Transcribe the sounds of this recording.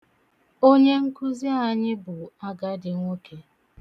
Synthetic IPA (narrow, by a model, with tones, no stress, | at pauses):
o˦ɲe˦ŋ̩˦kʊ˦zi˦a˨ɲɪ˦bʊ˨a˦ɡa˦dɪ˨ŋʷo˦kʰe˨˦